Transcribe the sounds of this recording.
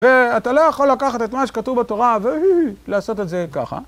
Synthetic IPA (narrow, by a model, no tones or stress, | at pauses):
veat̪alojaχo̞lakaχat̪et̪maʃe̥kat̪uvbat̪o̞ʁavehuhlaːso̞t̪etzeka̰χa̰